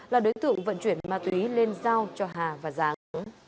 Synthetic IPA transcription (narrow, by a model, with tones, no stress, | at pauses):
laː˨˩ɗo˨˦jt̪ɨ̰˧˨əŋvə̰˧˨nt͡ɕwi˧˩ənmaː˨˩t̪wi˨˦le˧nzaː˧wt͡ɕɔ˧ɦaː˨˩vaː˨˩zaː˨˦ŋ˨˦